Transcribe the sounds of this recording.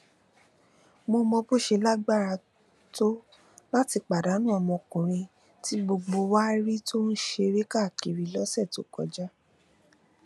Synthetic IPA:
mo˧mɔ̃˧bo˦˨ʃe˧la˦ɡ͡ba˦˨ɾa˧ | to˦ | la˦ti˧k͡pa˨da˨˦nĩ˦ɔ˧˨mɔ̃˧kũ˨ɾ̃ĩ˧ | ti˨˦ɡ͡bo˧ɡ͡bo˧wa˦ɾi˦to˦n̩˦ʃe˧ɾe˦ka˦˨ki˨ɾi˧lɔ˦sɛ˦˨to˨˦kɔ̰˧d͡ʒa˦

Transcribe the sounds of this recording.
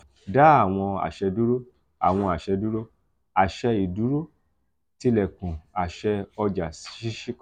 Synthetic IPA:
da˨˦a˦˨w̃ɔ̃˧a̰˨ʃɛ˧du˦ɾo˦ | a̰˨w̃ɔ̃˧a˨ʃɛ˧du˦ɾo˦ | a˨ʃɛ˧i˨du˨˦ɾo˦ | ti˧lɛ˨kũ˨a˨ʃɛ˧ɔ˧d͡ʒa˨sʃi˦ʃi˦k

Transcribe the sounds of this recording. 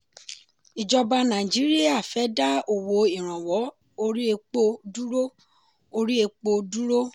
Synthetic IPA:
i˨d͡ʒɔ˧ba˧nã˨i˨d͡ʒi˨˦ɾi˦a˦˨fɛ˨˦da˦o˨wo˨˦i˨ɾ̃ã˨wɔ˨˦ | o˧ɾi˦e˧k͡po˧du˦ɾo˦ | o˧ɾi˦e˧k͡po˧du˦ɾo˦

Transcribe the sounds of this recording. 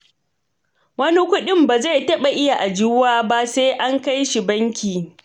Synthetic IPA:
wɐ˦ni˦kʷʊ˦ɗɪ˦mbaː˨za˦˨tɐ˦ɓa˨ʔɪ˦ja˨ʔa˨d͡ʒuː˦waː˦ba˦seː˦ʔa˦ŋka˦jʃi˨bɐ˦ŋkʲiː˨

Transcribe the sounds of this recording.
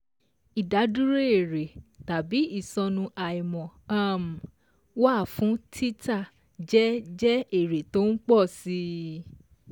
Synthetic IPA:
i˨da˨˦du˦ɾe˦e˦˨ɾe˨ta˨bi˨˦i˦˨sɔ̃˧nũ˧ʔa˨i˨mɔ̃˨a˦˨m̩˨ | wa˦˨fũ˨˦tʰi˦ta˦˨ | d͡ʒɛ˦d͡ʒɛ˦e˦˨ɾe˨to˨˦n̩˦k͡pɔ˦˨si˦

